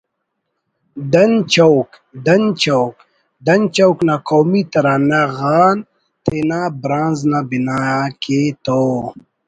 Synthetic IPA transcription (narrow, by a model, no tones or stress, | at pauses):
d̪ɐnt͡ʃɐwk | d̪ɐnt͡ɕowk | d̪ɐnt͡ʃɐwknakowmit̪ɐɾaːnaɣaːn | t̪enabɾãːnznabinaket̪oː